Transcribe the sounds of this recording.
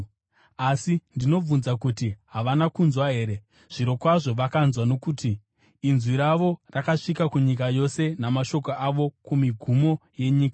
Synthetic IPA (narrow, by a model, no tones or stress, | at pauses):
asindino̞b͡vunzakutiɦaʋanakunzwaɦe̞ːɾe̞ | ʐ̥iɾo̞kwaʐo̞ʋakanzwano̞kutiː | nzwiɾaʋo̞rakaʂikakuɲik̬ajo̞se̞namaʃo̞koʔaʋo̞kumiɡʱumo̞je̞ɲiːkḁ